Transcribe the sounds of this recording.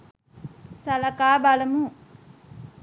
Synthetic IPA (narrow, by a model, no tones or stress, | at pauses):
salakaːbaləmuɦu